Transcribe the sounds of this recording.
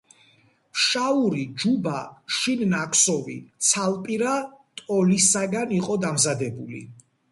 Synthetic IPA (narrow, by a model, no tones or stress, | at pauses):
ʃauɾid͡ʒubaʃinnakʰʼsɔvḭt̪sʰalˠpʼiɾat̪ʼɔlisaɡaniqʼɔd̪amzad̪ɛbulḭ